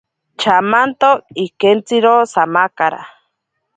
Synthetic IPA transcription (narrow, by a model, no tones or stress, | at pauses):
t͡ʃʰamant̪oikent͡siɾosamakaɾa̰